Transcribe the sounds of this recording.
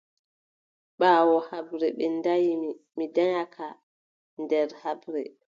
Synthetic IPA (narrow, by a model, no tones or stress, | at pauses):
ɓaːwɔhabɾɛɓɛndajimi | midaɲakʰa | ndɛɾhabɾɛ